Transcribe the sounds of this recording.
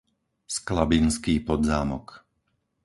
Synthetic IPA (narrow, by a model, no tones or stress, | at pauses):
sklabinskiːpɔd̪zaːmɔk